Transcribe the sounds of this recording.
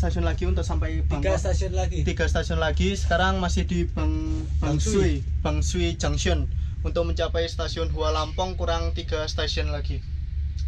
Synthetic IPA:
st̪asiɔnlaɡ̥i̤unt̪ʊʔsampajb̥aŋɡsnat̪iɡ̥a̤st̪asiɔnlaɡ̥isə̥kaɾaŋmasɪhd̪̥i̤baŋb̥aŋsib̥a̤ŋsuid̥d͡ʒ̥a̤ŋsiɔnunt̪ʊk̚məɲt͡ʃapɛjst̪asiɔnɦuwalampɔŋkuɾaŋt̪iɡ̥a̤st̪asiɔnlaɡ̥i

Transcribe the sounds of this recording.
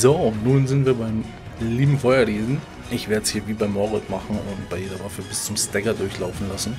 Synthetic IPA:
zoʊntnuːnzɪntv̥iːɐbaɪm | liːbm̩fɔʏɐʁeːzn̩ | ʔɪçv̥eːɐtəshiːɐviːbaɪmɔʁɪtmaχn̩ʊntb̥aɪjeːdɐvafəbɪst͡sʊmstɛɡɐdʊɐçlaʊfn̩lasn̩

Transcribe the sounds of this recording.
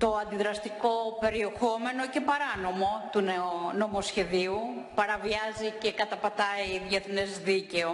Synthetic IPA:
t̪o̞ɐnd̪iðɾɐst̪iko̞pe̞ɾie̞xo̞me̞no̞ce̞pɐɾɐno̞mo̞t̪unno̞mo̞sçe̞ðiu | pɐɾɐviɐzice̞kɐt̪ɐpɐt̪ɐiðjeθnezðice̞o

